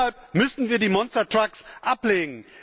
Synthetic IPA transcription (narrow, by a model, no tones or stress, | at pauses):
alp̚mʏsn̩viːɐdiːmɔnstɐtʁ̥aksʔapleːɡŋ̩